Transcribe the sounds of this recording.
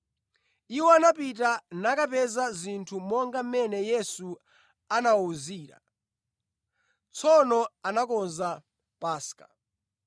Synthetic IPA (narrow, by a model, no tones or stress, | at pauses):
iwɔanapit̬anakapɛzazintʰumɔŋɡam̩mɛnɛjɛsu | anauziːɾa̰ | t͡sʰɔnɔanakɔnza | paːskḁ